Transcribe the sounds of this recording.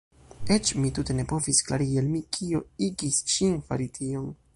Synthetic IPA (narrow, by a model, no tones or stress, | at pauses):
et͡ʃmitute̞ne̞po̞viskla̰ɾiɡialmikʰio̞iɡisʃinfa̰ɾitʰio̞n